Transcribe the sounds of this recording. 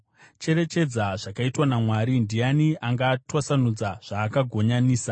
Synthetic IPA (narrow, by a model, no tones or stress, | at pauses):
t͡ʃe̞ɾe̞t͡ʃe̞d͡zaʐakaitwanamwaːɾindijaniaŋɡaːtwasanud͡zaʐ̥aːkaɡʱo̞ɲaniːsa